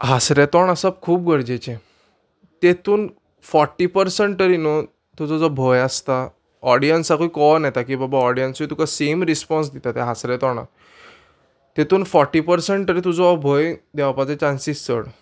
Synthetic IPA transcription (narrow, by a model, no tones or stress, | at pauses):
ɦasɾɛt̪ɔɳasab̚kʰuːpɡəɽd͡ʑet͡ɕẽ | t̪et̪uːn | fɔɾʈːipəɾsəɳʈʈəɾinɔ | t̪ud͡zɔd͡zɔbʱɔjast̪a | ɔɽijənsakoikɔnjɛt̪akiːbabaɔɽijənsit̪ukasemɾispɔns̬d̪it̪at̪ɛɦasɾɛt̪ɔɳa̰ | t̪et̪uːnfɔɾʈːipəɾsəɳʈ̪əɾit̪ud͡zɔːbʱɔjd̪ɛʋapat͡sẽt͡ɕãnsist͡sə̰ɽ